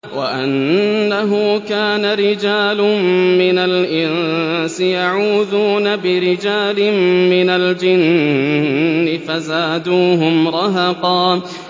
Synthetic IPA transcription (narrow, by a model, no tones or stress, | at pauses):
wa̰ʔanːaɦʊkaːnaɾɪd͡ʒaːlʊmmɪnalʔɪnsɪjaʕuːðuːnabɪɾɪd͡ʒaːlɪmmɪnald͡ʒɪn | ɪfazaːd̪uːɦʊmɾˤɑɦɑqɑː